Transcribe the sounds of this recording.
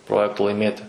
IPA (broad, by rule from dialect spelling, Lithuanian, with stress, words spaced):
ˈproːjɛktoː lˠɐɪˈmʲeːtʲɪ